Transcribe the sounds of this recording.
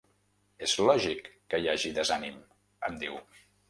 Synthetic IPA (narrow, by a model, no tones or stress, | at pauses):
ezlɔʒikːəjaʒiðəzanim | əmd̪iw